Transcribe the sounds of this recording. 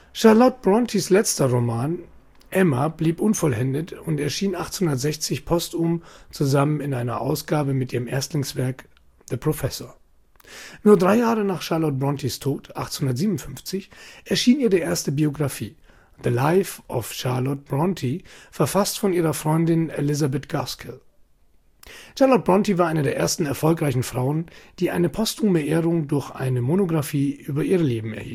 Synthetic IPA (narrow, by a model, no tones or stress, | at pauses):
ʃaɐlɔt̚b̥ʁɔntʰislɛt͡stɐʁomaːn | ʔɛmabliːpʔʊnfɔlɛndətʊntɛɐʃiːnʔaχthʊndɐtz̥ɛçt͡sɪçpʰɔstʊmt͡suzamənɪnʔaɪnɐ̰ʔa̰ʊsɡ̥aːbəmɪtʔiːʁəmʔɛɐstlɪŋsv̥ɛɐk | ðəpʁ̥ofɛsoːɐ | nuːɐdʁaɪjaːʁənaːχʃaɐlɔt̚bʁɔntʰistʰoːtʰʔaχthʊndɐtziːmʊnfʏnft͡sɪçʔɛɐʃiːniːɐdiːɐʔeːɐstəbioɡʁafiː | ðəlaɪfʔɔfʃaɐlɔt̚b̥ʁɔntʰifɛɐfastfɔnʔiːʁɐfʁ̥ɔʏndɪnḛlɪzabɛtɡ̥askʰɪl | ʃaɐlɔt̚b̥ʁɔntivaːɐʔaɪnədeːɐʔeːɐstn̩ɛɐfɔlkʁaɪçn̩fʁ̥aʊənd̥iːʔa̰ɪnəpʰɔstʰuːməʔeːʁʊŋdʊɐçʔa̰ɪnəmonoɡʁafiːʔyːbɐʔiːʁəleːbm̩ɛ̰ɐhḭːl